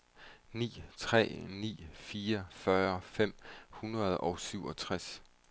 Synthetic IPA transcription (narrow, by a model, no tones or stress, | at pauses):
nḭːt͡sʰʁɛ̰ːnḭːfiːɐfɶːɐfem̰hunʁɐð̞̩ˠɒ̽ʊsyʊɒ̽t͡sʰʁas